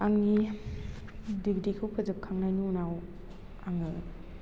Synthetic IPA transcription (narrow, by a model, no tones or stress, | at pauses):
aŋni | diɡdikʰɯwpʰɯzɯp̚kʰaŋnajnunaw | aŋɯ